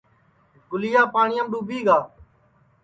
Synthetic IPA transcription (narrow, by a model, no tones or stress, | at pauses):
ɡʊlɪjaːpaːɳɪjəmɗuːbʱiːɡaː